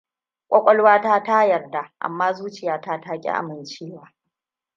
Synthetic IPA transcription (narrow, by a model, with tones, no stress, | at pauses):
kʷʼɔ˦kʷʼɔ˦lwaː˦taː˦ta˦jɐ˨rda˨ʔa̰˨mːaː˦zuː˦t͡ʃɪ˨jaː˨˦ta˦taː˦kʲʼḭ˦ʔa̰˨mɪ˨nt͡ʃeː˦˨waː˨˦